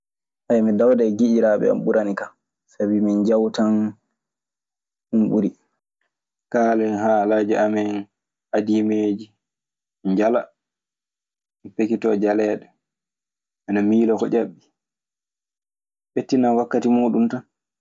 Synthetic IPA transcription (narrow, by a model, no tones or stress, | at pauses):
ʔajmidawdaɡiʔiɾaɓɛ̰a̰mɓuɾanika | sabimind͡ʒawtan | umɓuɾi | kaːlɛnɦaːlad͡ʒiamɛn | adimeːd͡ʒi | ɲd͡ʒala | mipekitɔd͡ʒalɛːɗɛ | ʔanamiːlɔkɔt͡ʃaɓːi | ɓetːinanwakːatimoːɗumtan